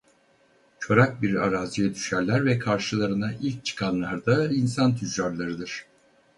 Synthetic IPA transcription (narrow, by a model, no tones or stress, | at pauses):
t͡ʃʰo̞ɾak̚biɾaɾaːzijɛd̪yʃæɾlʲæɾvɛkʰaɾʃɯlˠaɾɯnaʔilʲc̚t͡ʃʰɯ̥kʰanlˠaɾd̪ainsant̪ʰyd͡ʒaɾlˠaɾɯd̪ɯɾ̥